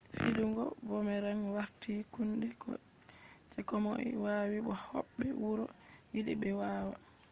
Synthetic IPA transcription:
fiduŋɡɔ̰bɔmɛɾanwaɾtikundɛ | ɛkɔmɔ̰ʔḭwawibɔhɔ̰ɓːɛwuɾɔ | wiɗɛ̰ɓɛwaːwa

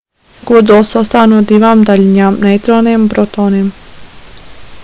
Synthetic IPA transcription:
ɡ̥ud̪osɔst̪anud̪iʋamd̪aʎɲamnat̪ɾonempɾot̪onem

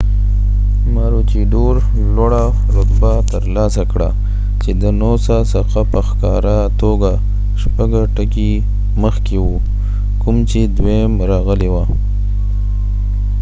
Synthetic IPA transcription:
maɾot͡ʃiɖoɾ | lwaɽa | ɾʊt̪bat̪əɾlɑsakɽa̰ | t͡ʃed̪ənosasaxapəxkɑɾa | t̪oɡa | ʃpaɡaʈəki | məxkewu | kʊmt͡ʃed̪wemɾɑɣəlewa

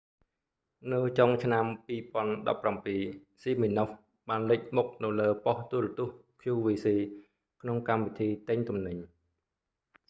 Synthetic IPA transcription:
nɨwt͡ɕoŋt͡ɕʰnampiːpŏənɗɑ̰pːrampiː | siːminoh | ɓaːnlɨc̚muk̚nɨwləːpɔht̪uəɾɑt̪ŭəhkʰjuːʋiːsiː | kʰnoŋkamʋit̪ʰiːt̪ɨɲt̪umnɨɲ

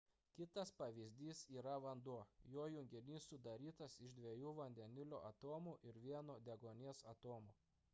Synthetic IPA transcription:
kʲɪt̪ɐspɐʋʲɪzʲd̪ʲiːsiːɾɐʋɐnd̪uɔjoːjʊŋʲɡʲɪnʲiːsʊd̪ɐɾʲiːt̪ɐsɪʒd̪ʲʋʲiɛjuːʋɐnʲd̪ʲɛnʲɪlʲoːʔɐt̪oːmuʔɪɾʋʲiɛnoːd̪ʲɛɡoːnʲiɛsɐt̪oːmuː

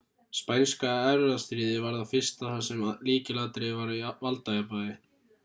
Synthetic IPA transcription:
spajnskaɛɾðast̪ɾiːðɪvaɾðafɪr̥st̪aθasːɛmliːcɪlat̪ɾɪvaɾivalt̪ajapaːðɪ

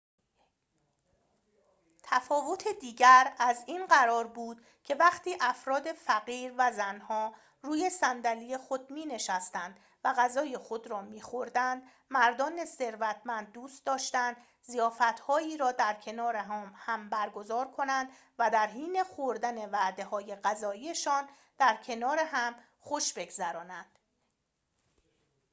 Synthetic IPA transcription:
t̪ʰæfɒːvo̞t̪ʰed̪iːɟæɾæziːnɢæɾɒːɾbuːd̪̥ | cʰe̞væχt̪ʰiːʔæfɾɒːd̪e̞fæɣiːɾvæzænhɒː | ɾuːje̞sænd̪æliːje̞xo̞d̪̚miːne̞ʃæst̪ænd̪̥ | væɣæzɒːje̞xo̞d̪ɾɒːmiːxo̞ɾd̪ænd̪ | mæɾd̪ɒːnese̞ɾvæt̪ʰmænd̪̚ːuːst̪̚d̪ɒːʃt̪ænd̪ | zijɒːfæt̪ʰhɒːiːɾɒːd̪æɾcʰe̞nɒːɾeɦːmhæmbæɾɡo̞zɒːɾkʰo̞nænd̪ | væd̪æɾɦiːne̞χoɾd̪æne̞væʔd̪e̞hɒːje̞ɢæzɒːiːje̞ʃɒːn | d̪̥æɾcʰe̞nɒːɾeɦæm | χo̞ʃbe̞ɡzæɾɒːnænd̪̥

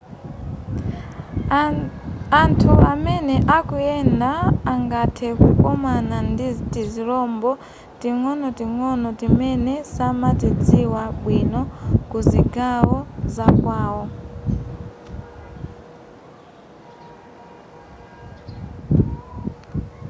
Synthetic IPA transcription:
antʰuamɛnɛʔakuɛndaːŋɡatʰɛkukɔmanantiziɾɔmbɔ | tiŋɔnɔtiŋɔnɔtimɛnɛsamatid͡ziwaɓwinɔkuziɡawɔzakwaːwɔ

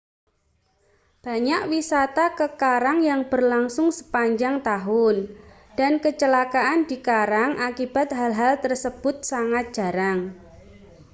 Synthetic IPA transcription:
b̥a̤ɲaʔwisat̪akəkaɾaŋjaŋb̥ə̤rlaŋsʊŋsə̥paɲd͡ʒaŋt̪aɦʊn | d̥a̤nkət͡ʃəlakaʔand̥̪i̤kaɾaŋʔakib̥a̤t̪̚ɦalɦalt̪ərsəb̥ʊt̪̚saŋat̪̚d̥ʒ̥a̤ɾaŋ

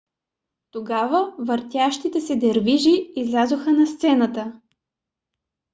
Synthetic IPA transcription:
t̪oɡavəvəɾt̪ʲjaʃt̪it̪ɛsɛd̪ɛɾviʒiːzlʲazoxənɐst̪sɛnət̪ə

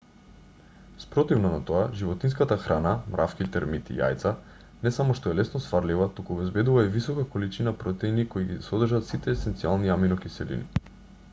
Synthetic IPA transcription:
spɾɔt̪ivnɔnat̪oaʒivɔt̪ins̬kat̪axɾanamɾʔafkit̪ɛɾmit̪ḭja̰jt̪sa | nɛsamɔʃt̪ɔɛlɛsnɔsfaɾlivat̪ukuɔbɛzbɛd̪uvaivisɔkakolit͡ʃinapɾɔt̪ɛjnikoiɡisɔd̪rʒat̪sit̪ɛːsɛnt̪sialˠniaminɔkisɛlḭnḭ

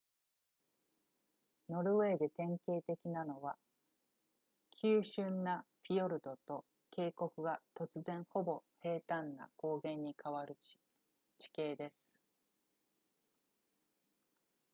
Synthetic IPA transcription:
no̞ɾɯ̟βe̞ːd̪e̞t̪ẽ̞ŋke̞ːt̪e̞kʲinano̞βa | kʲʰɨːɕɨ̃nːapʲio̞ɾɯ̟d̪o̞t̪o̞ | ke̞ːko̞kɯ̟ɡat̪o̞t͡sɨzẽ̞ɰ̃ho̞bo̞he̞ːt̪ãnːa̰ko̞ːɡẽ̞ɲ̟ːikaβaɾɯ̟ | t͡ɕi̥ke̞ːd̪e̞sɨ̥

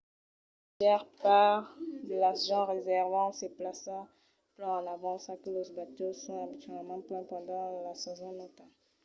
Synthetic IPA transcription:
jɛʁpaʁd̪əlaʁʒɑ̃ʁezɛʁvɑ̃seplasa | plɛ̃ɑ̃navɑ̃sakəlozbat̪osɔ̃abitɥɛlmɑ̃plɛ̃pɑ̃d̪ɑ̃lasɛzɔ̃nɔt̪a

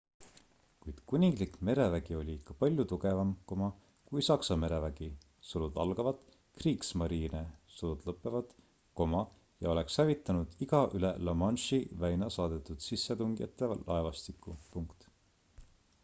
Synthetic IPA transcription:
kujd̪̥kunʲiŋɡlikme̞ɾe̞væɡ̥io̞lʲiikːɑpɑlʲjut̪uɡe̞vɑmko̞mɑ | kujsɑksɑme̞ɾe̞væɡ̥i | sulud̪ɑ̰lɡ̥ɑvɑd̪̥ | kriːksmɑɾiːnesulud̪̥lɤpˑːe̞vɑd̪̥ | ko̞mɑ | jɑo̞le̞kshævit̪ːˑɑnud̪̥iɡ̥ɑʔylelɑmɑnʃivæjnɑsɑːd̪̥e̞t̪ːˑud̪̥sisːet̪uŋɡijɑ̰t̪ːˑe̞ɑlʔɑevɑst̪ikːˑupuŋkt̪

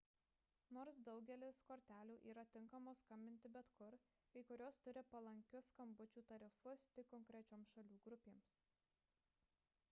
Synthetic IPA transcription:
noːɾsd̪ɒʊɡʲɛlʲɪskoːɾʲt̪ʲæːlʲuːʔiːɾɐt̪ʲɪŋkɐmoːskɐmʲbʲɪnʲt̪ʲɪbʲɛt̪kʊɾ | ɐɪkʊɾʲoːst̪ʊɾʲɪpɐlˠɐŋʲkʲʊskɐmbʊt͡ʃʲuːt̪ɐɾʲɪfʊst̪ʲɪkːɔŋʲkɾʲɛt͡ʃʲoːmsʃɐlʲuːɡɾʊpʲeːms

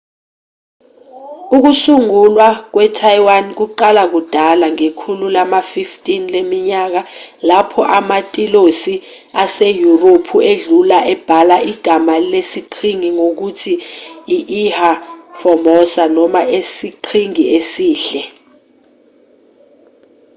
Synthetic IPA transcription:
uk̬usuŋulwak̬wɛtʰajwank̬uǃalak̬ud̥ʱalaŋekʰululamafiftʼinlemiɲak̬alapʰɔʔamatʼilosi | asejuropʰueɮulaʔɛb̥ʱalaiɡ̥ʱamalesiǃʰiŋiŋok̬utʰiːʔihafɔmɔsanɔmaʔesiǃʰiŋiesiːɬɛ

